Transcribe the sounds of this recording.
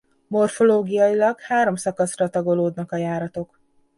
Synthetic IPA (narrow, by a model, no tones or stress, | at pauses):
mo̞rfo̞loːɡijɒjilɒɡhaːɾo̞msɒkɒsrɒt̪ɒɡo̞loːd̪nɒkɒjaːɾɒt̪o̞k